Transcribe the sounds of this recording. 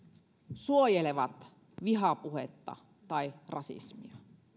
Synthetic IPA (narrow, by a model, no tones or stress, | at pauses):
suojeleʋɑt̪ | ʋiɦɑpuhḛt̪ːɑ̰ | t̪ɑirɑsḭsmiɑ